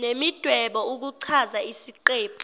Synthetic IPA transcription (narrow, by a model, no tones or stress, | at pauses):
nemid̥ʱwɛɓɔuk̬uǀʰazaisiǃeːpʰ